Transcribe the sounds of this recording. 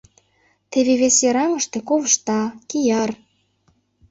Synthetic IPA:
t̪eβeβesjeɾɑŋə̆ʃt̪ekoβəʃt̪ɑkijɑr

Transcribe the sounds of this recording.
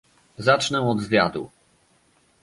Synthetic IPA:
zat͡ʂnɛɔd̪zvʲjad̪ṵ

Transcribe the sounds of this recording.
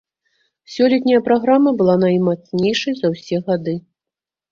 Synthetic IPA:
sʲɔlʲɛt̪ʲnʲɐjɐpɾaɣɾamɐbɨlˠanɐjmat̪snʲejʂɐjzɐwsʲɛɣad̪ɨ

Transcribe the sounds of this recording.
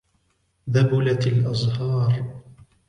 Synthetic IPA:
ðabʊlat̪alʔɑzˤhɑːɾˤ

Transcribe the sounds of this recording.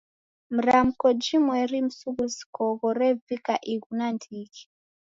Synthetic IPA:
m̩ɾam̩kɔd͡ʒimwɛɾim̩suɣusi̥kɔɣɔɾɛvikaʔiɣunandiɣi̥

